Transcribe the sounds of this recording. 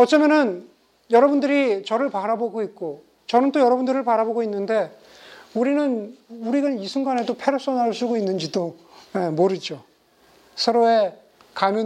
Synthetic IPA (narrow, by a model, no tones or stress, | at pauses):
ʌt͡ɕ͈ʌmjʌnɯn | jʌɾʌbundɯɾit͡ɕʌɾɯɭpaɾaboɡoik̚k͈o | t͡ɕʌnɯnt͈ojʌɾʌbundɯɾɯɭpaɾaboɡoinːɯnde̞ | uɾinɯnuɾiɡanisʰuŋɡanɦedopʰe̞ɾʌps͈ʌnaɭs͈uɡoinːɯnd͡ʑido | jemoɾid͡ʑo | sʰʌɾoe̞ | kamjʌ